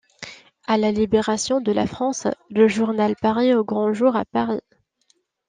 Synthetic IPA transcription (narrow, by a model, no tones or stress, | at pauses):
alalibeʁasjɔ̃d̪əla̰fχɑ̃sləʒuʁnalpaʁioɡʁɑ̃ʒuʁapaʁi